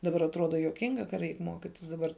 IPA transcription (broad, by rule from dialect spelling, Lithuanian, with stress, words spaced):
dɐˈbɐr ɐtˈruɔdɐ juɔˈkʲɪŋɡɐ kɐ ˈrʲɛɪk ˈmuɔkʲɪtʲɪs dɐˈbɐr